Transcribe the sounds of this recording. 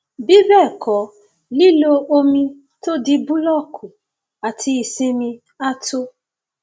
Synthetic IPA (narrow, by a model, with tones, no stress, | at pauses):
bi˦bɛ˦˨kʰɔ˨˦ | li˦lo˧o˧mĩ˧ | to˦di˧bũ˦lɔ˦˨kʰu˨ | a˨tʰi˧i˨sĩ˧mĩ˧ | a˦tʰo˦